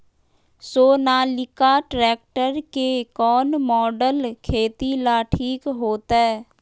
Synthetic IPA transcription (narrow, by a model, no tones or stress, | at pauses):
soːnaːlɪkaʈɾɛːk̚ʈəɾkekɔːnmɔːɖəlkʰeːt̪ilaːʈʰiːkɦoːt̪aɦɛː